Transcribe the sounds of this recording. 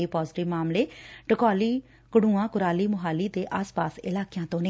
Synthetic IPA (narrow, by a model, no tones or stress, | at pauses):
iːpaːzʈɪʋmaːmleːʈəkaːliː | kəɽũːãːkʊɾaːliːmʊɦaːliːd̪eːʔaːspaːsɪ̰laːkɪjãːt̪õːne